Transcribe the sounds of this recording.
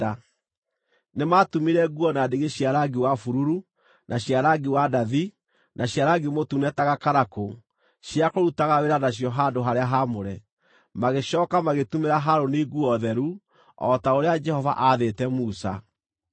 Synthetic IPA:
nematumiɾɛɡuɔnadeɣeɕjaɾaɡiwafuɾuɾu | nʔaɕjaɾaɡiwadaði | nʔaɕjaɾaɡemotunɛtaɣakaɾako | ʃiakoɾutaɣaweɾanaɕ̬jɔɦadoɦaɾeaɦamoɾɛ | maɣeʃɔːkamaɣetumeɾaɦaɾoneɡuɔðɛɾu | ɔ̰taoɾead͡ʒɛhɔva̰ʔaðetɛmusa̰

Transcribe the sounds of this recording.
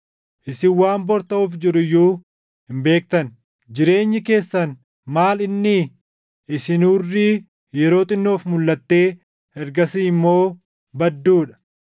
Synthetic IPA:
ʔɪsɪwaːmbɔɾt̪ɐuːfd͡ʒɪɾʊjːuː | hɪmbe̞ːk̚t̪ɐn | d͡ʒɪɾe̞ːɲːɪke̞ːsːɐn | maːlɪnːɪ | ʔɪsɪnuːrːiː | jɛɾo̞ːt̪ʼɪnːo̞ːfmʊlːɐt̪ːe̞ː | ɛɾɡɐsiːɪmːo̞ː | bɐd̪ːuːᶑɐ̥

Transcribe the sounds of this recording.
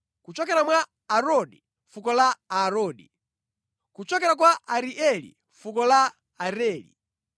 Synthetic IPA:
kut͡ʃɔkɛɾamwa | aɾɔɗi | fukɔlaaɾɔːɗḭ | kut͡ʃɔkɛɾak̬waʔaɾiʔɛlḭ | fukɔla | aɾɛːlḭ

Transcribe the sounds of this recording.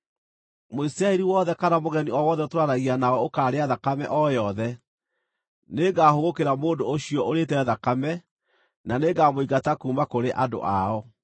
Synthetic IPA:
moisiɾaɛɾiwɔðɛkanamoɣɛniɔwɔðɛotwaɾaɣianaɔokaːɾeaðakamɛ̰ʔɔjɔðɛ | neɡaːhoɣokeɾamoːndooɕiɔʔoɾetɛðakamɛ | naneɡamoiɡatakuːmakoɾeʔado̰ʔaɔ

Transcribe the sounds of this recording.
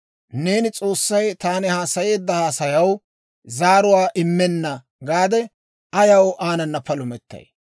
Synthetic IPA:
ne̞ːnɪt͡sʼo̞ːsːɐjt̪aːnɪhaːsɐje̞ːd̪ːɐhaːsɐjɐw | zaːɾʊwaːʔɪmːɛnːɐ | ɡaːd̪ɛ | ɐjɐwʔaːnɐnːɐpɐlʊmɛt̪ːɐ̰j

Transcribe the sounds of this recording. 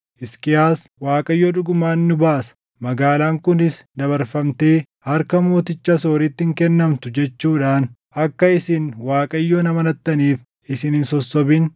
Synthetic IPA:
ʔɪskɪjaːswaːkʼɐjːoᶑʊɡʊmaːnːʊbaːsɐ̥ | mɐɡaːlaːŋkʊnɪsd̪ɐβɐɾfɐmt̪e̞ː | hɐɾkɐmo̞ːt̪ɪt͡ʃːɐsoːɾɪt̪ːɪŋkɛnːɐmt̪ʊd͡ʒɛt͡ʃːuːᶑaːnʔɐkːɐɪsɪnwaːkʼɐjːoːnɐmɐnɐt̪ːɐniːf | ɪsɪnɪnsɔsːɔbɪn

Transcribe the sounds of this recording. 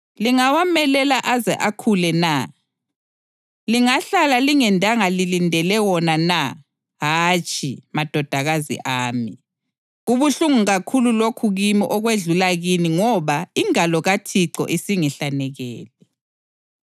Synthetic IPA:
liŋawamɛlɛlaʔazɛʔakʰulɛna | liŋaɬalaliŋɛndʱaŋalilindʱɛlɛwɔnana | ɦat͡ʃʼimad̥ʱɔd̥ʱaɣazḭʔaːmi | ɣuβuɬuŋuɣakʰululokʰuɣimiʔɔɣweɮulaɣiniŋɔβaiŋalɔɣatʰiǀɔ̰ʔisiŋɛɬanɛɣɛːlɛ

